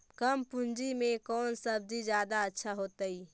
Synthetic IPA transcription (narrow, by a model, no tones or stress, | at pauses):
kəmpũnd͡ʒimekɔːnsəb̚d͡ʒid͡ʒjad̪aətːʃʰaɦot̪əi